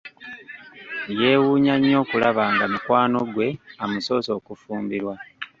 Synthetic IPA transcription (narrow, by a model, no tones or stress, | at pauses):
je̞ːwuːɲaɲːo̞ːkulaβaːŋɡamukwaːno̞ɡwe̞amuso̞ːso̞ːkufuːmbiɾwa